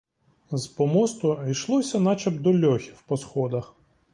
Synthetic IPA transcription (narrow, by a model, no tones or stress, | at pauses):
zpɔmɔst̪ʊijʃlˠɔsʲɐnɑt͡ʃɐbd̪ɔlʲɔxʲi̥wpɔsxɔd̪ɐx